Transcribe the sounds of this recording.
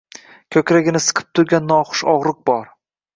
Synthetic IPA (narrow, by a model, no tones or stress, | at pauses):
kʲʰɵkʲɾaɡʲɪnɪsɨ̥qʰɨ̥p̚t̪ʰʊɾɡʲanːɒχʊ̥ʃɒʁɾʊq̚bɒɾ